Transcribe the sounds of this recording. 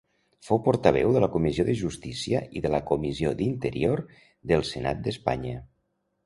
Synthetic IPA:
fowpɔɾt̪əβ̞ɛ̰wðələkumizioðəʒust̪isiəʔiðələkumiziod̪int̪əɾioɾ | ðəlˠsəna̰t̪̚d̪əspa̰ɲə

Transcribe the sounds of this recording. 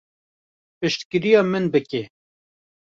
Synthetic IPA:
pɨʃt̪kɨɾijɑːmɨnbɨke

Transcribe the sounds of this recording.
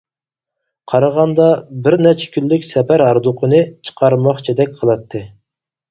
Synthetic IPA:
qʰɑɾɑʁɑnd̪ɑbɪɾnɛt͡ʃʰɛ̥kʲʰynːykʲsɛpæɾɑɾd̪ʊqʰənɨt͡ʃʰə̥qʰɑɾmɑχt͡ʃʰid̪ɛk̚ʲqʰəlˠɑt̪ʰːɨ

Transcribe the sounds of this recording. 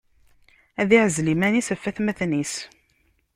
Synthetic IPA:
æðiʕəzlimænisæfːæθmæθnis

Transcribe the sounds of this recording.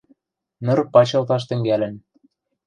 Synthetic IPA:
nɤ̆rpɑt͡ɕɤ̆lt̪ɑʃ̬t̪ɘ̆ŋɡælɘ̆n

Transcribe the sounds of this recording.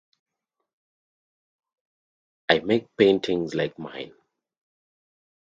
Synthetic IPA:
aɪmek̚pẽɪ̃ntʰɪ̃ŋzlaɪkmã̰ɪ̃n

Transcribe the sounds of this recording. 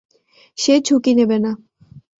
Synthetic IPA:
ʃet͡ɕʰukinebena

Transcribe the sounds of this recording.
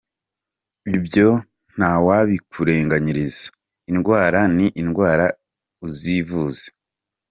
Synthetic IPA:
ibjo̞ | n̥awaβikuɾe̞ːŋɡaɲiɾiz̥ḁ | inɡwaːɾaniʔinɡwaːɾa | uzivuːze̥

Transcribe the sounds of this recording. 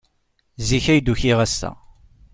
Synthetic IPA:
ziçæjd̪uçiʁæst̪æ̰

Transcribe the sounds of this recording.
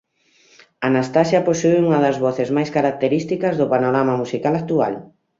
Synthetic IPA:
anast̪asjɐposueuŋɐðɐzβɔθezmajskaɾak̚t̪eɾist̪ikɐzðʊpanoɾamamusikalak̚t̪ua̰l

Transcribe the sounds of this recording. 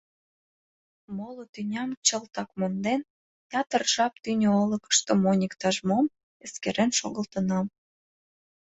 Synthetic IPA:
molot̪ynʲɑmt͡ɕəlt̪ɑkmond̪en | jɑt̪ərʒɑp̚t̪ynʲoolə̆kə̥ʃt̪omonʲikt̪ɑʒmom | eskeɾenʃoɣə̆lt̪ənɑm

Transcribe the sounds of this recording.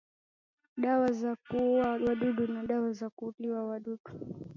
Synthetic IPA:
ɗawazakuawaɗuɗunaɗawazakuːliwawaɗuɗu

